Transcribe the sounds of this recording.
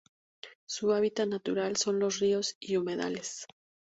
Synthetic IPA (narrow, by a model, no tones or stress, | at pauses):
suaβit̪anat̪uɾalso̞nlo̞srio̞siume̞ða̰le̞s